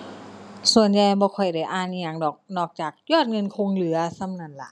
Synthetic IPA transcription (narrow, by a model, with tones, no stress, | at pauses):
su˨˩ənja˧jbɔː˧kʰɔ˨˩jda˧˩jʔaː˧˩˨n˧jɲa˧˩ŋdɔː˨˩k̚nɔː˧˩k̚t͡ɕaː˨˩k̚jɔː˥˩t̪̚ŋɤ˧nkʰo˧ŋlɯ˨˩˦ɐsa˧˥˨mna˧˩˨nla̰˧˩ʔ